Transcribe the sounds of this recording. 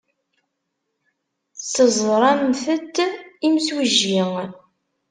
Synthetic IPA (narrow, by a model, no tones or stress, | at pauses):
t͡sːəzˤɾˤɑmθət̪ːimswiʒːiŋ